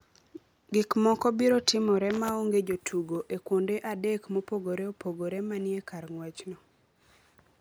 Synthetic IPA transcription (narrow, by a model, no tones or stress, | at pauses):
ɡɪkmɔkɔbiɾotɪmɔɾɛmaoŋɡed͡ʒotʰuɡoʔekwondeʔadekmopoɡoɾeopoɡoɾɛmanjekarŋwɛt͡ʃnɔ